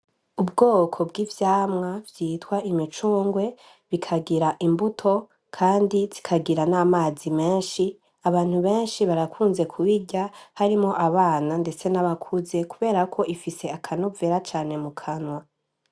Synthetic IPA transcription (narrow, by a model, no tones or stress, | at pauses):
ubɡo̞ːkʰo̞bɡivjaːmŋavjiːtwaʔimit͡ʃuːŋɡwe̞ | βikʰaɡiɾaʔimbutʰo̞ | kʰaːndizi̥kʰaɡiɾanaːmaːzime̞ːnʃi | aβaːn̥huβe̞ːnʃiβaɾakʰuːnze̞kʰuβiɟahaɾimo̞ʔaβaːnande̞t͡se̞naβakʰuze̞kuβe̞ːɾakʰo̞ʔifise̞akʰanove̞ɾat͡ʃaːne̞mukʰanwa